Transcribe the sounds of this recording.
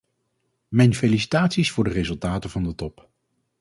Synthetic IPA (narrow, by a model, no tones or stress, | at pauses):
mɛjnfelisi̥taːtsisfʊːɹdərezɵlˠtaːtəvɑndətɔp